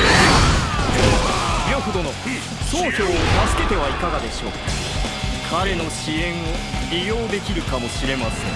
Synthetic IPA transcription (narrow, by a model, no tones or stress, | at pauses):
ojoɸɯ̟d̪o̞no | soːkʲoːt̪asɨ̥ke̞t̪e̞βaikaɡad̪e̞ɕo̞̰ːk | kʰaɾe̞no̞ɕiẽ̞ɰ̃oɾʲijo̞ːd̪e̞kʲiɾɯ̟kamo̞ɕiɾe̞masẽ̞̰